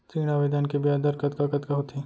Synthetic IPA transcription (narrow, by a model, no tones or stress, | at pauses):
siːɽ̃aʋed̪aːnkebjad̪ɐɾkɐt̪kakɐt̪kɐɦut̪ʰiː